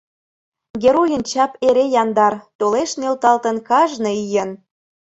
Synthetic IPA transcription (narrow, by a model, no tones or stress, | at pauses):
ɡʲeɾojənt͡ɕɑpeɾejɑnd̪ɑrt̪oleʃnelt̪ɑlt̪ə̆nkɑʒnɤijən